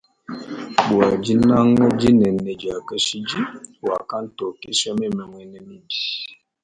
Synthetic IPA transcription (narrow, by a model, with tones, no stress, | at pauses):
bwa˨d͡ʒi˦na˦ŋɛ˦d͡ʒi˦nɛ˨nɛ˨d͡ʒa˨ka˦ʃi˦d͡ʒi˦wa˨ka˦n̩˦tɔ˨ke˦sa˦mɛ˦˨mɛ˨ŋwɛ˦nɛ˦mi˦˨di̥˨